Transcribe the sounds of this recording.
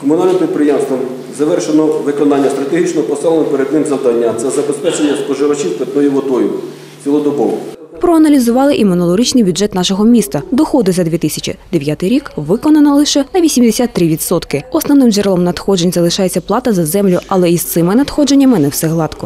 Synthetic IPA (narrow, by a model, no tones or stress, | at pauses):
kɔmʊnɑlʲnɪmpɾʲit̪̚pɾɪjɛmst̪ʋɔm | zɐʋɛrʃenɔʋɪkɔnɑnʲːɐst̪ɾɐt̪eɦit͡ʃnɔpɔsɪlˠenɔpeɾed̪nɪmzɐwd̪ɑnʲːɐt̪sɛzɐbespɛt͡ʃenʲːɐspɔʒɪʋɐt͡ʃiwt̪ʋʲet̪nɔjiʋɔd̪ɔjʊ | t͡sʲilˠɔd̪ɔbɔʋɔ̰ | pɾɔɐnɐlʲizʊʋɑlˠɪʔimɔnɔlˠɔɾʲit͡ʃnɪjbʲjudd͡ʒʒɛt̪nɑʃɔɦɔmʲist̪ɐd̪ɔxɔd̪ʊzɐd̪ʋʲit̪ɪsʲɐt͡ʃḭd̪eʋʲjat̪ɪjɾʲikʋɪkɔnɐnɐlˠɪʃɛnɐʋʲisʲimd̪esʲat̪ːɾɪʋʲid̪sɔt̪kɪɔsnɔʋnɪmd͡ʒɛɾlˠɔmnɐd̪xɔd͡ʒenʲzɐlˠɪʃɑjet͡sʲːɐplˠɑt̪ɐzɐzɛmlʲʊɐlˠɛist̪sɪmɪnɐd̪xɔd͡ʒe̞nʲːɐmɪnɛwsɛɦlˠɑt̪kɔ